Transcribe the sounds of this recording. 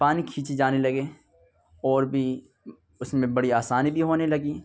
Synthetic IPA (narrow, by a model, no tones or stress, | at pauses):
paːnikʰiːt͡ʃed͡ʒaːnelɐɡeː | ɔːɾbʱi | ʊsmẽbɐɽiaːsaːnibʱiɦoːnelɐɡiː